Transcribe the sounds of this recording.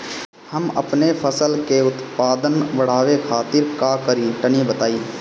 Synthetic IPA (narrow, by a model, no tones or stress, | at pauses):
həmɐ̰pnepʰəsəlkeʊt̪paːd̪ənʋəɽ̤aːʋekʰaːt̪ɪɾkaːkəɾiʈənibət̪aːiː